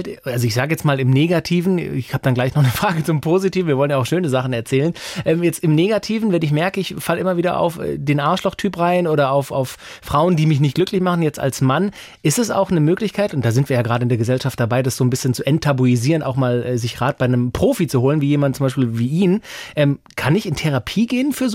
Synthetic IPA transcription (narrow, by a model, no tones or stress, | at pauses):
ltʔalzoɪçz̥aːɡəjɛt͡stmaːlɪmneːɡatʰiːvn̩ɪçhaːbəd̥anɡlaɪçnɔχnəfʁ̥aːɡət͡sʊmpʰoːzitiːvn̩viːɐvɔlənjaʊxʃøːnəzaχn̩ɛɐt͡sɛːlənʔɛːmjɛt͡stɪmneːɡatʰiːvn̩vɛnɪç̬mɛɐkəɪçfalʔɪmɐviːdɐ̰ʔa̰ʊfɛ̰ːdeːnʔaːɐʃlɔxtʰyːpʁaɪnʔoːɾɐaʊfa̰ʊf | ʁ̥aʊəndiːmɪçnɪçt̚ɡ̥lʏklɪçmaχn̩jɛt͡sta̰lsman | ʔɪstɛsa̰ʊxnəmøːklɪçkʰaɪtʊntd̥aːzɪntviːɐjaːɡʁaːɾəɪndeːɐɡəzɛlʃaft̚d̥abaɪdasz̥oːnbɪsçənt͡suʔɛntʰːabuiziːʁəna̰ʊxmaːlʔɛːzɪçɡ̥ʁaːt̚b̥aɪnəmpʁ̥oːfit͡suhoːlənviːjeːmandn̩t͡sʊmbaɪʃpiːlviːʔiːnʔɛːmkʰanɪçɪntʰɛʁ̞apʰiːɡeːənfyːɐz